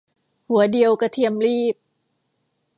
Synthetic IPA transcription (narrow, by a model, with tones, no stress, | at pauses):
hu˩˦ɐdi˧əwka˧t̪ʰi˧əmliː˥˩p̚